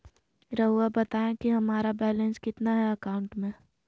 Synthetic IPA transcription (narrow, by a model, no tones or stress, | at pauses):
ɾɐɦuabɐt̪aːẽkiɦɐmaːɾabɛːlẽnskɪt̪naɦɛɐkaːʊ̃ɳʈmẽ